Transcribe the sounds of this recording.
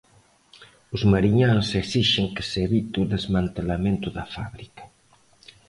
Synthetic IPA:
uzmaɾiɲaŋseksiʃeŋke̥seβit̪uðezmãnt̪elamẽnt̪uðafa̰βɾikḁ

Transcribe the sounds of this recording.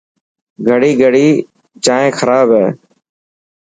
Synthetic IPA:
ɡʱəɽiːɡʱəɽiː | t͡ʃaːẽːxʰəɾaːbɦɛː

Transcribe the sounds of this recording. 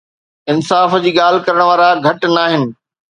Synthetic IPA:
ɪnsaːfd͡ʑiːɠaːl̤ɪ̆kɐɾəɽ̃ʋaːɾaɡʱɐʈnaːɦɪnɪ̆

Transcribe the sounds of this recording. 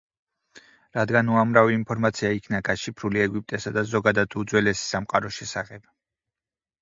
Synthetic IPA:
ɾad̪ɡanuamɾaviːnpʰɔɾmat̪sʰiaikʰnaɡaʃipʰɾuliɛɡip̚ʼt̪ʼɛsad̪azɔɡad̪ad̪ud̪zwɛlɛsi̥samqʼaɾɔʃɛsaχɛb̥̚

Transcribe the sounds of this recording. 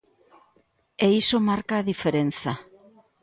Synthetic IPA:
eisomaɾkaːðifeɾen̟θa

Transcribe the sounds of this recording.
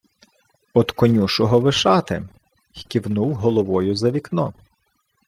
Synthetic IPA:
ɔd̪kɔnʲuʃɔɦɔʋɪʃɑt̪ɪ̰ | xʲkʲiwnuwɦɔlˠɔʋɔjʊzɐʋʲiknɔ

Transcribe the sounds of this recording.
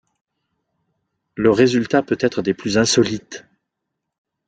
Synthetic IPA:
ləʁezylt̪apøt̪ɛt̪χəd̪eplyzɛ̃sɔlit̪

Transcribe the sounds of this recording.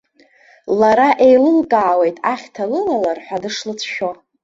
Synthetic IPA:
laɾaʔe̞jlɨlkʼaːwe̞jtʼaχʲtʰalɨlalarħʷᶣadɨʂlɨt͡sʰʃᶣo

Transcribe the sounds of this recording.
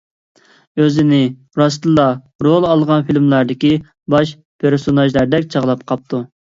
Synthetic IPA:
øzɪnɪ | ɾɑst̪ɨlˠːɑ | ɾolˠɑlˠʁɑnfilmlˠɑɾd̪ɪkʲi | bɑʃ | pʰeɾsonɑʒlˠɑɾd̪ɛkʲt͡ʃʰɑʁlˠɑpqʰɑp̚t̪ʰu

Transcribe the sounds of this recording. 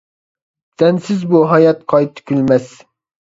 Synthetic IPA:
t̪ɛnsɪzbuɦɑjɑt̪̚qʰɑjt̪ʰkʲʰylmɛs

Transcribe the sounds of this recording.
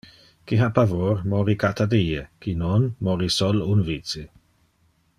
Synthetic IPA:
kiɦapavoɾmɔɾikat̪ad̪iːekinonmɔɾisɔlunviːtt͡si

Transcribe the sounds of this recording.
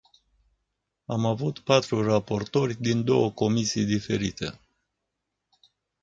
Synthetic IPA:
amavut̪pat̪ɾurapo̞rt̪o̞rʲd̪ind̪o̞̰wəko̞misijd̪ife̞ɾit̪ḛ

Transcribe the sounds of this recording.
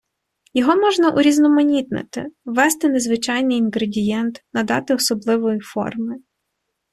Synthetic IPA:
jɔɦɔmɔʒnɐʔuɾʲiznɔmɔnʲit̪nḛt̪ɪ̰ʋɛst̪ɪnezʋɪt͡ʃɑjnɪjinɦɾedʲijɛnt̪nɐd̪ɑ̰t̪ɪɔsɔblˠɪʋɔjifɔ̰rmɪ

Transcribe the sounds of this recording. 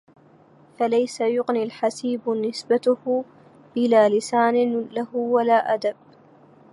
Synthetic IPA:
falajsajʊqnilħasiːbnɪsbat̪ʊh | ʔɪlaːlɪsaːnɪlahwalaːʔad̪ab̚

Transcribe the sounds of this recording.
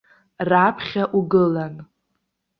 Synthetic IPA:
rapʰχʲaʔuɡɨlan

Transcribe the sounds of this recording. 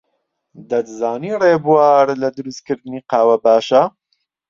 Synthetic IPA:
d̪ɐd̪zaːniːreːbuwaːɾlɐd̪ɨɾust̪̚kɨɾd̪ɨniːqɑːwɐbaːʃɐ

